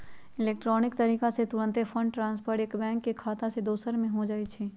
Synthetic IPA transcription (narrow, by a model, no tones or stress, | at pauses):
ɪleːk̚ʈɾɔːnɪkt̪ɐɾiːkaset̪ʊɾə̃nt̪epʰə̃ɳɖʈɾãːnspəɾʈeːkbɛ̃ːŋkːekʰaːt̪ãsed̪oːsəɾmẽɦod͡ʒaːit͡ʃʰeː